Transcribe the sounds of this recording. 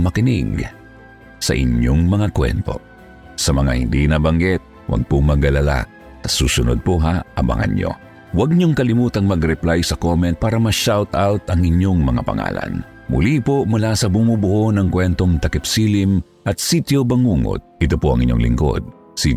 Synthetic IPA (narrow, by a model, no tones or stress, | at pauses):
mɐkɪnḭɡ | sɐ̰ʔɪ̰ɲoŋmɐŋakwɛ̰nt̪o̞̰ | sɐmɐŋa̰hɪ̰nd̪inɐbɐŋɡɛt̪̚ | wɐ̰ɡ̚poŋmɐɡɐlɐla̰ | sɐsuːsʊnod̪̚poɦaʔɐ̰mɐ̰ŋʔɐ̰ɲjo̰ | wɐɡ̚ɲoŋkɐlɪmuːt̪ɐŋmɐɡɾɛplajsɐkomɛnt̪̚paːɾɐmɐʃawt̪awt̪ɐŋɪɲjoŋmɐŋa̰pɐ̰ŋa̰ːlɐ̰n | mʊ̰lipomʊlasɐbʊmubʊʔonɐŋkwɛnt̪o̞ŋt̪ɐkɛpsilim | ʔɐt̪sit̪jobɐŋuːŋo̰d̪̚ʔɪt̪opoʔɐ̰ŋʔɪ̰ɲo̰ŋlɪ̰ŋko̰d̪̚ | si